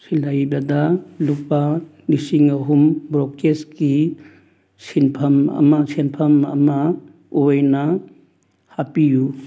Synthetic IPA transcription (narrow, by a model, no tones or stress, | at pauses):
silajbɐdɐluk̚pa | nisiŋɐɦumbɾokteski | sinpʰɐmɐ̰mɐsinpʰɐmɐ̰mɐ | ojnɐ | hapiju